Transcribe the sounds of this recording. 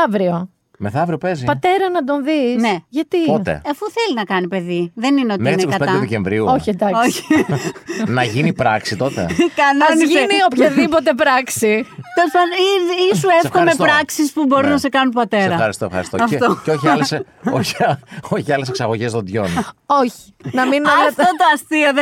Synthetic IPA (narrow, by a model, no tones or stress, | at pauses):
ɐvɾio | meθɐvɾio̞pezipɐt̪e̞ɾɐnɐd̪o̞nðineʝɐt̪ipot̪e̞̰ɐfuθe̞linɐkɐnipe̞ðiðenineo̞tmeinekkɐtpeɐd̪ðeceɱvɾiuoçid̪ɐoçi̥ | nɐʝinipɾɐksit̪o̞t̪ḛkɐnɐsiniopçɐðipot̪e̞pɾɐksit̪esɐniðːsuefkomeɾɐksispubo̞ɾinɐse̞kɐnunpɐt̪e̞eɾɐxɐɾist̪ofxɐɾist̪oɐfet̪oceoçiɐles | oçoçiɐleseksɐɣo̞ʝezðond̪ʝo̞noçi̥nɐminɐft̪ot̪oɐst̪ioð